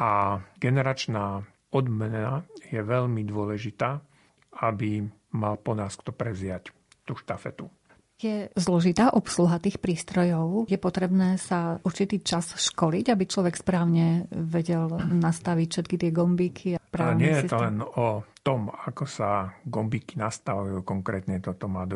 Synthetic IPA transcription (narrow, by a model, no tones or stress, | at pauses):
ʔaɡɛnɛɾat͡ʃnaː | ɔd̪mɛnajɛʋɛʎmid̪ʊɔlɛʒit̪aː | abi | malpɔnaːskt̪ɔpɾɛzɪac | t̪uːʃt̪afɛ̰t̪u | jɛzlɔʒit̪aːʔɔpsluɦat̪iːxpɾiːst̪ɾɔjɔʊjɛpɔt̪ɾɛbnɛːsauɾt͡ʃit̪iːt͡ʃasʃkɔliɟabit͡ʃlɔʋɛkspɾaːʊɲɛʋɛɟɛlnast̪aʋicfʃɛt̪kit̪ɪɛɡɔmbiːkʰiapɾaːlɛɲɪɛjjɛt̪ɔlɛnɔt̪ɔmakɔsaɡɔmbiːkinast̪aʋujuːkɔŋkɾɛːt̪ɲɛt̪ɔt̪ɔmaːd̪